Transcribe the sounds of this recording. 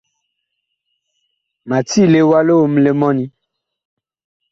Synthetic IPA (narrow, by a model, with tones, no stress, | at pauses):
mã˨t̪i˦le˨wa˦lo˦wo˨m˨˦le˨mɔ̃˦nĩ˦